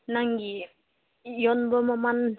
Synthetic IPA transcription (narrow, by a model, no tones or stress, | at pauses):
naŋɡi | jɔnbɔmaman